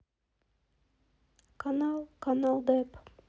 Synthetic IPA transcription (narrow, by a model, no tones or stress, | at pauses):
kʰanalˠkanalˠd̪ɛp